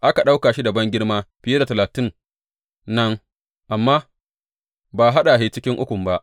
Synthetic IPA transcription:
ʔa˦ka˨ɗa˦wkaː˨ʃi˦da˨bɐ˦ŋɡʲɪ˦ɽmaː˦b̥ɪ˨je˦da˨tɐ˨laː˨tɪ˦n | nɐ˦ŋ | ʔa˨mːaː˦ | baː˨ɦa˦ɗa˨ɦeː˨t͡ʃɪ˦kʲɪ˦ŋʔʊ˦kʷʊ˨mba˦ʔ

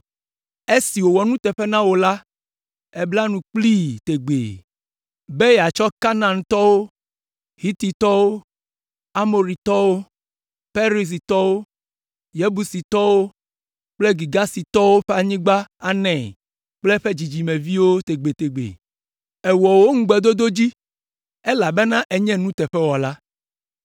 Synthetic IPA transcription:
e˦si˨wo˨wɔ˨nũ˦t̪ɛ˨ɸe˦nã˦wo˨la˦ | e˦bla˦nũ˨k͡pli˦t̪e˨ɡ͡bḛ˨ | be˦ja˨t͡ʃɔ˦ka˦nã˨ŋ̩̃˨t̪ɔ˦wo˦ | ɦi˦t̪i˨t̪ɔ˦wo˦ | a˦mo˨ɾi˨t̪ɔ˦wo˦ | ɸe˦ɾi˨s̬i˨t̪ɔ˦wo˦ | jɛ˦bu˨si˨t̪ɔ˦wo˦ | k͡ple˦ɡi˨ɡa˦si˨t̪ɔ˦wo˦ɸɛ˦a˨ɲĩ˦ɡ͡ba˦a˨nɛ̃˨ | k͡plɛ˦ɸe˦d͡ʑi˨d͡ʑi˨mɛ̃˨vi˦wo˦t̪e˨ɡ͡be˨t̪e˨ɡ͡bḛ˨ | ɛ˨wɔ˨wo˦ŋ̩˦ɡ͡bɛ˨d̪o˦d̪o˦d͡ʑi˦ | ɛ˦la˨bɛ˦nã˦ʔɛ˨ɲɛ̃˦nũ˦t̪ɛ˨ɸɛ˦wɔ˨la˦

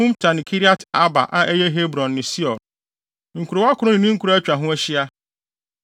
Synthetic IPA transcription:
ʊ̃˦mtʰa˨nɪ̃˨kʰi˦ɾi˦a˦ta˦ba̰˨ʔa˦ʔɛ˦jɛ˦ɦe˦bɾɔ̃˨nːɪ̃˨si˦ɔ˨ | ŋ̩˨kʰu˨ɾo˨˦a˦kʰʊ˦ɾʊ˦nɪ̃˨nɪ̃˦ŋ̩˦kʰu˨ɾo˦æ˦t͡ɕᶣa˨ɦʊ̃˦æ˦ɕi˦a˦

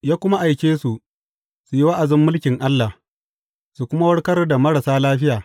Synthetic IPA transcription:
jaː˦kʷʊ˦ma˦ʔa˨jkʲeː˦su˨ | su˨ji˦wa˦ʔa˨zɪ˦mːʊ˦lkʲɪ˨ŋʔa˦lːa˨h | su˨kʷʊ˦ma˦wɐ˦ɽkɐ˦rda˨mɐ˦ɽa˨saː˦laː˦ɸɪ˦jaː˨

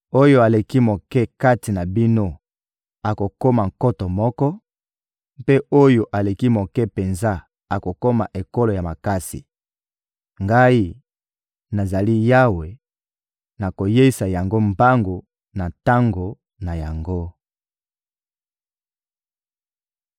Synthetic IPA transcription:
o˦jo˦a˨le˨ki˦mo˨kɛ˦ka˦ti˨na˨bi˦no˦ | a˨ko˨ko˦ma˨ŋko˦to˨mɔ˦kɔ˦ | mpe˦ʔo˦jo˨ʔa˨le˨ki˦mo˨kɛ˦pe˨nza˦ | a˨ko˨ko˦ma̰˨ʔe˨ko˦lo˨ja˨ma˨ka˦sḭ˨ | ŋɡa˦i˦ | na˨za˨li˦ja˦we˨ | na˨ko˨je˦i˦sa˨ja˨ŋɡo˦mba˦ŋɡo˨ | na˨ta˦ŋɡo˨ | na˨ja˨ŋɡo˦

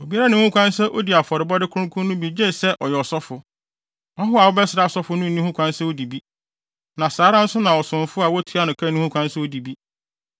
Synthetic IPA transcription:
o˨bi˦a˦ɾa˦nʊ̃˨˦ũ˦kʷã˦n˦sɛ˦ʔo˦di˨a˨fɔ˨ɾɪ˨bɔ˦dɪ˦kʰʊ̃˦kʰʊ̃˦nʊ̃˦bi˨d͡ʑe˦˨sɛ˦ʔɔ˨jɛ˨ɔ˨sɔ˦fʊ˨ | ɔ˦ɦʊ˦a˨wʊ˦bɛ˦sɪ˨ɾa˦ɔ˨sɔ˦fʊ˨˦nʊ̃˦n˨ĩ˦hũ˦kʷã˦n˦sɛ˦o˦di˨bi˦ | nã˨saː˨˦ɾã˦n̩˦sʊ˦nã˨ɔ˨sʊ̃˨n˨fʊ˦a˨wɔ˦tʰu˨˦a˦nʊ̃˨kʰã˦nĩ˦hũ˦kʷʰã˦n˦sɛ˦o˦di˨bi˦

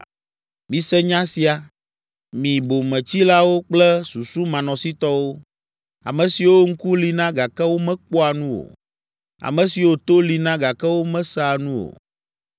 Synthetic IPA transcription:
mĩ˨sɛ˦ɲã˦si˨a˨ | mĩ˨bo˨mɛ̃˨t͡ɕi˦la˦wo˦k͡plɛ˦su˨su˦mã˨nɔ̃˨si˦t̪ɔ˦wo˦ | a̰˨mɛ̃˨si˨wo˦ŋ̩˦ku˦li˨nã˦ɡa˨kɛ˦wo˦mɛ̃˦k͡po˦a˨nũ˦o̰˨ | a̰˨mɛ̃˨si˨wo˦t̪o˦li˨nã˦ɡa˨kɛ˦wo˦mɛ̃˦sa˦˨nũ˦o̰˨

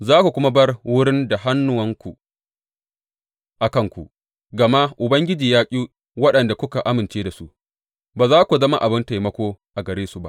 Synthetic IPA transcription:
zaː˦kʷu˨kʷʊ˦ma˦bɐ˦rwʊ˦ɽɪ˦nda˨ɦa˦nːʊ˨wɐ˦ŋkʷu˨ | ʔa˨kɐ˦˨ŋkʷu˨ʔ | ɡɐ˨ma˦ʔʔʊ˨bɐ˦ŋɡʲɪ˦d͡ʒiː˨jaː˦kʲʼiː˦ | wɐ˦ɗɐ˨nda˨kʷʊ˦ka˨ʔa˦mɪ˨nt͡ʃeː˦da˨su˦ʔ | baː˨zaː˦kʷu˨zɐ˦ma˦ʔa˨bɪ˦nta˨jmɐ˦kʷoː˦ʔa˨ɡɐ˨ɾeː˦su˨ba˦ʔ

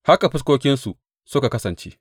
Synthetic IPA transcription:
ha˦ka˨ɸɪ˦s̬kʷoː˦kʲɪ˦nsu˨ | sʊ˦ka˨kɐ˦sɐ˨nt͡ʃḛː˦

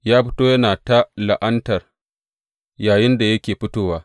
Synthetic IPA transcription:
jaː˦ɸɪ˦toː˦jɐ˦naː˨ta˦la˨ʔɐ˦ntɐ˨r | jaː˨jɪ˦nda˨jɐ˦kʲeː˨ɸɪ˦toː˦waː˨˦

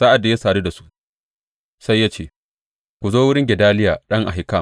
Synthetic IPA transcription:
sa˦ʔa˨dːa˨ja˦saː˨ɾi˦da˨su̥˦ | sa˦jːaː˦t͡ʃeː˦˨ | kʷu˨zoː˦wʊ˦ɽɪ˦ŋɡʲɛ˨daː˦lɪ˦jaː˨ɗɐ˦ŋʔa˨ɦɪ˨ka˦˨

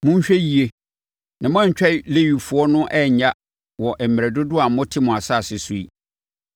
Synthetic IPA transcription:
mʊ̃˦ɲ̩˦ɕᶣɛ˦ji˨e˦ | nã˨m̃˦ã˦ɲ˨t͡ɕᶣɛ˦i˨le˦ɥi˨fʊ˨ɔ˦nʊ̃˦ʔɛ˦˨ɲa˦ | wɔ˨ʔɛ˨m̩˨m˨ɛ˨dʊ˦dʊ˦a˨˦mʊ̃˦tʰɪ˦mʊ̃˨a˨sa˦˨sɪ˨su˦ḭ˦

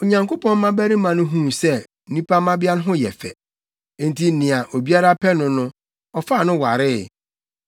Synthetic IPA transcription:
o˨ɲã˨ŋko˦pʰɔ̃˦n˦mã˦bæ˦ɾĩ˦mã˨nʊ̃˦ɦũː˦sɛ˦ | n̩˨nĩ˦pʰa˦mã˦bɪ˦a˦ñ˦ɦʊ̃˦jɛ̰˨fɛ̰̃˨˦ | n̩˦tʰi˦nɪ̃˨a˨ʔo˨bi˦a˦ɾa˦pʰɛ˦nʊ̃˨nʊ̃˦ | ɔ˨fa˦˨nʊ̃˦wa˨ɾɪ˦˨

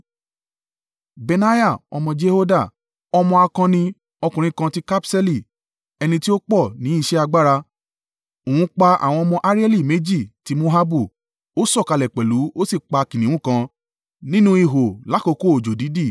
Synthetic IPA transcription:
be˨˧na˦ja˦˨ɔ̰˧mɔ̃˧d͡ʒe˦ho˦da˦˨ | ɔ˧mɔ̃˧a˧kã˧nĩ˧ | ɔ˧kũ˨ɾ̃ĩ˨˧kã˧ti˦ka˦psɛ˦li˦˨ | ɛ˧nĩ˧ti˦o˦k͡pɔ˦˨nĩ˨˦i˦˧ʃɛ˦a˧ɡ͡ba˦ɾa˧ | o˨hũ˨˧˦k͡pa˧a̰˨w̃ɔ̃˧ɔ˧mɔ̃˧ʔa˦ɾi˦ɛ˦li˦˨me˨˦d͡ʒi˦˨ti˨˦mo˦ɦa˦bu˦˨ | o˦sɔ˦˨ka˧lɛ˨k͡pɛ˨lu˨˦o˦si˦˨k͡pa˧kĩ˨nĩ˨˦ũ˦˨kã˧ | nĩ˦nũ˦i˧˨ɦo˨la˨˦ko˧ko˦o˨d͡ʒo˨di˨˦di˦˨

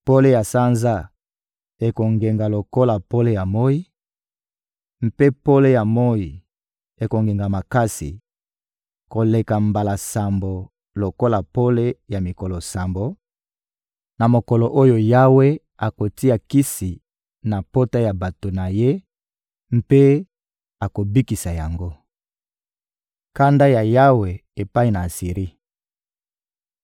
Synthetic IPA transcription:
po˦le˦ja˨sa˦nza˦ | e˨ko˨ŋɡe˨ŋɡa˨lo˨ko˦la˨po˦le˦ja˨mo˦i˦ | m̩˦pe˦po˦le˦ja˨mo˦i˨ | e˨ko˨ŋɡe˨ŋɡa˨ma˨ka˦sḭ˨ | ko˨le˨ka˨mba˨la˨sa˨mbo˨ | lo˨ko˦la˨po˦le˦ja˨mi˨ko˨lo˨sa˨mbo˨ | na˨mo˨kɔ˨lo˨ʔo˦jo˨ja˦we˦ | a˨ko˨ti˦a˨ki˦si˨ | na˨po˦ta˦ja˨ba˨to˨na˨je˦ | m˦pe˦ | a˨ko˨bi˦ki˨sa˨ja˨ŋɡo˦ | ka˦nda˦ja˨ja˦we˨e˨pa˦i˦˨na˨a˨si˨ʁi˦

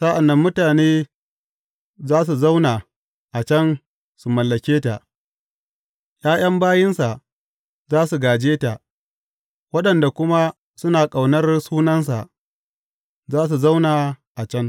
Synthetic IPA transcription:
sa˦ʔa˨nːɐ˦mːʊ˦taː˨neː˦ | zaː˦s̬u˨za˦wnaː˨ | ʔa˨t͡ʃɐ˦n | su˨mɐ˨lːɐ˨kʲeː˦ta˨ʔ | j̰aː˦j̰ɐ˦mbaː˦jɪ˦nsa˨ʔ | zaː˦su˨ɡaː˨d͡ʒeː˦ta˨ʔ | wɐ˦ɗɐ˨nda˨kʷʊ˦ma˦ | sʊ˦naː˨kʼa˨wnɐ˦rsuː˦nɐ˦ns̬a˨ʔ | zaː˦s̬u˨za˦wnaː˨ʔa˨t͡ʃɐ˦n

